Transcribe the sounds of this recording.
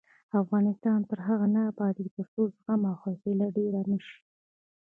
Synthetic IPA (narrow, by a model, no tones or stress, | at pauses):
afɣɑnɪst̪ɑnt̪əɾɦaɣanabɑd̪p̪əɾsozɣamawxafɪlaɖeɾanəʃi̥